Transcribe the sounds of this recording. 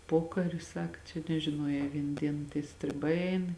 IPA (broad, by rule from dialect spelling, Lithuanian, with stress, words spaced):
ˈpoːkɐrʲɪ ˈsɑːkɐ t͡ʃʲɛ nʲɛʒʲɪˈnuɔjɛː ˈʋʲiɛn ˈdʲiɛn tʲiɛ sʲtʲrʲɪˈbɐɪ ˈɛɪn